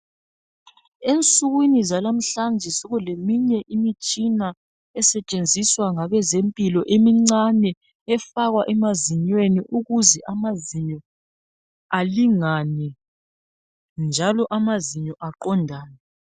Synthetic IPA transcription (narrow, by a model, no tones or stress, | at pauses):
ent͡sʼuɣwinizalam̩ɬand͡ʒʱɛsoɣulemiɲɛʔimit͡ʃʼina | ɛsɛt͡ʃʼend͡zʱiswaŋaβɛzempʼilɔʔemiŋ͡ǀanɛ | ɛfaɣwaʔɛmaziɲweniʔuɣuzɛʔamaziɲɔ | aliŋanɛ | nd͡ʒʱalɔʔamaziɲɔʔaǃɔndʱaːnɛ